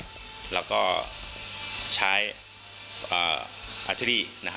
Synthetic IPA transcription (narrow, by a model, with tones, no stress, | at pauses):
lɛː˦˥wkɔː˥˩ | t͡ɕʰaː˦˥j | ʔɤ̰ː˨˩ʔa˧t̪ʰɾiː˥˩na˦˥k